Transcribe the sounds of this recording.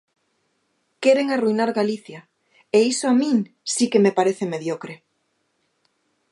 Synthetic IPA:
keɾeŋarujnaɾɣaliθja | eisoamĩŋ | sikemepaɾeθemeðjokɾe

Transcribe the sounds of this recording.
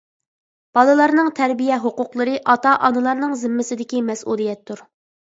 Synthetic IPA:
b̥ɑlˠɨlˠɑɾnɨŋt̪ʰɛɾbijɛɦoqʊqlˠəɾɨʔɑt̪ɑʔɑnɨlˠɑɾnɨŋzɪmːɪsɪd̪ɪkʲimɛsʔulˠijɛt̪ʰːuɾ

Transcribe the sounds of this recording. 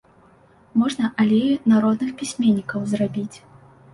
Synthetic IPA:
mɔʐnɐʔalʲejnaɾɔd̪nɨxpʲisʲmʲenʲːikɐwzrabʲit͡sʲ

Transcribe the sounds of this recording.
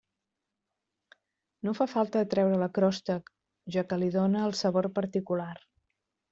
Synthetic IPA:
nofafalˠt̪əət̪ɾɛwɾələkɾɔst̪ək | ʒakəliðonəːlˠsəβoɾpəɾt̪ikular

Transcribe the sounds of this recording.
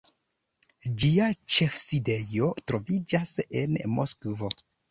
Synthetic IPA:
d͡ʒiat͡ʃe̞fside̞jo̞tɾo̞vid͡ʒase̞nmoskvo̞

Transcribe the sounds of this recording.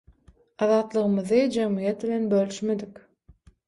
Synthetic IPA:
ɑðɑːt̪lˠɯʁɯmɯðɯd͡ʒemijet̪̚bilʲenbølʲyʃmed̪ik

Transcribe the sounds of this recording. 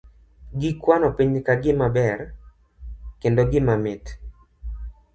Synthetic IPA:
ɡɪkwanɔpiɲkaɡɪmabɛr | kendoɡɪmamɪt

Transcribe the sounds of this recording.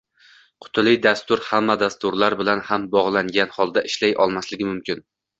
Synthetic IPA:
qʰʊ̥t̪ʰɪlɪjd̪ast̪ʊɾhamːad̪ast̪ʊɾlaɾbɪlanhambɒʁlˠaŋɡʲanhɒlˠd̪aʔɪʃlajʔɒlˠmaslɪɡʲɪmʊmkʲɪn

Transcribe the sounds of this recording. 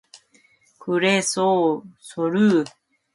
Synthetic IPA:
kɯɾesosoɾɯ

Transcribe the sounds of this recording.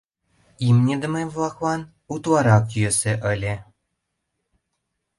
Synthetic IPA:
imnʲĕd̪ə̆mevlˠɑklɑn | ut̪lˠɑɾɑkjøsĕʔə̆lʲĕ

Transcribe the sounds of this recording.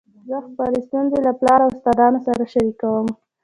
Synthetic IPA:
zəxpɑɾest̪unzelaplɑɾawʊst̪ɑd̪ɑnosaɾaʃaɾikawəm

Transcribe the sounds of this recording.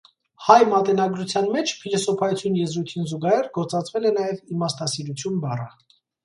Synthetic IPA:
hɑjmɑt̪ɛnɑɡɾut͡sʰjɑnmɛt͡ʃʰpʰilɔsɔpʰɑjut͡sʰjunjɛzɾujt̪ʰinzuɡɑhɛrɡɔɾt͡sɑt͡sʰvɛlɛnɑjɛvimɑst̪ɑsiɾut͡sʰjunbɑrɑ

